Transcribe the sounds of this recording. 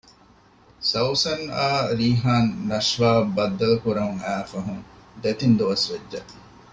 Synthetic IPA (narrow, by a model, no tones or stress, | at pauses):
sɐwsɐnaːɾiːɦaːnːɐʃʋaːbːɐd̪ːɐlukuɾɐɦuŋæːfɐɦuŋd̪et̪ind̪uʋɐsʋed͡ʒd͡ʒɐ